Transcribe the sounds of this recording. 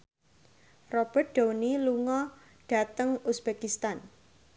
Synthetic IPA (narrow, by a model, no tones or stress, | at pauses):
rɔb̥ərt̪̚d̥owniluŋɔ | ɖ̥a̤t̪əŋusb̥ekist̪an